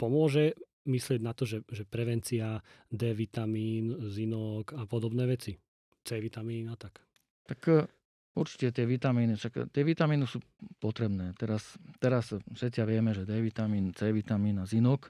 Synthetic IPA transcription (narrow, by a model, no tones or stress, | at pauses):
pɔmʊɔʒɛ | mislɪɛɟnat̪ɔʒɛʒɛpɾɛʋɛnt͡siad̪ɛːʋit̪amiːnzinɔkapɔd̪ɔbnɛːʋɛt͡si | t͡sɛːʋit̪amiːnat̪ak | t̪ak | uɾt͡ʃi̥cɛt̪ɪɛʋit̪amiːniʃakt̪ɪɛʋit̪amiːnisuː | pɔt̪ɾɛbnɛːt̪ɛɾast̪ɛɾasfʃɛt͡sɪaʋɪɛmɛʒɛd̪ɛːʋit̪amiːnt͡sɛːʋit̪amiːnazinɔk